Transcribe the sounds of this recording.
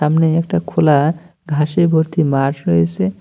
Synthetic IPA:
amneekʈakʰola | ɡʱaʃebʱoɾt̪imaɾɾɔet͡ʃʰe

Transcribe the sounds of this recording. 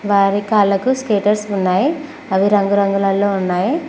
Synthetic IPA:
ʋaːɾikaːlɐkuskeːʈɐɾsunːaːji | ɐʋiɾɐŋɡuɾɐŋɡulaːlːoːunːaːji

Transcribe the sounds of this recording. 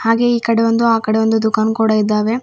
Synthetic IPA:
haːɡe̞iːkɐɽeʋɐnd̪uaːkɐɽeʋond̪ud̪ukaːnkuːɽɐid̪ːaːʋe̞

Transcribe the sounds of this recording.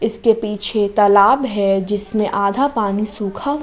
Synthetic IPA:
ɪskepiːt͡ʃʰet̪ɐːlaːbɦɛd͡ʒɪsmẽʔaːd̪ʱapaːnisuːkʰa

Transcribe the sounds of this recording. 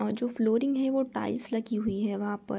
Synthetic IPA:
ɔɾd͡ʒoːfloːɾɪ̃ŋɡɦɛʋoʈa̰ːɪslɐɡiɦʊiɦɛʋɐɦãpɐ̰ɾ

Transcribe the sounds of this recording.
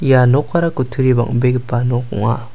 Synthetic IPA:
janɔkʰːaɾakutʰɯɾiba̰ŋbeɡipanɔkṵŋa

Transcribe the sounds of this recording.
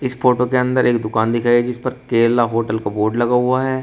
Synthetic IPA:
ɪsfoːʈokeɐ̃nd̪əɾʔeːkd̪ʊkaːnd̪ɪkʰaːiɦɛd͡ʒɪspɐɾkeːlaɦoːʈəlkaboːɾɖlɐɡaɦuaɦɛː

